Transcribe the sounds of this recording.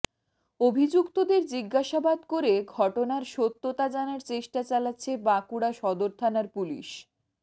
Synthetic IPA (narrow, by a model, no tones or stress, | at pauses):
obʱid͡ʑukt̪od̪eɾd͡ʑiɡːaʃabad̪koɾeɡʱɔʈonaɾʃot̪ːot̪ad͡ʑanaɾt͡ɕeʃʈat͡ɕalatːɕʰebakuɽaʃɔd̪oɾt̪ʰanaɾpulḭʃ